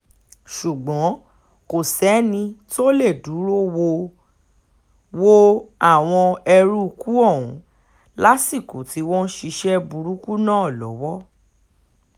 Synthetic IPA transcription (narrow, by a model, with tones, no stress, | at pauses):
ʃu˨ɡ͡bɔ̃˨˦ | ko˨sɛ˨˦nĩ˧to˦le˦˨du˨˦ɾo˦wo˧ | wo˦a˦˨w̃ɔ̃˧ɛ˧ɾu˦u˧ku˦ɔ˦˨wũ˨˦ | la˦si˦˨ko˨ti˨˦wɔ̃˦ʃi˧ʃɛ˦bu˧ɾu˦ku˦nã˦ɔ˦˨lɔ̰˨˦wɔ˦